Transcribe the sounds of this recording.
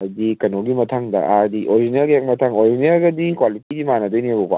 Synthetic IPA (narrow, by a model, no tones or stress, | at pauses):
ɐdikɐnoɡimɐtʰaŋdɐ̰ʔadiʔoɾid͡ʒineɾɡejak̚mɐtʰaŋoɾizinɐɾɡɐdikwalitidimanɐdɯjniɐbɔba̰